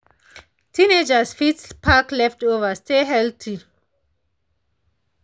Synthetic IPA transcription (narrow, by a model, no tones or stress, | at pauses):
tʰined͡ʒasfitspʰaklɛftovəsteɦɛltʰi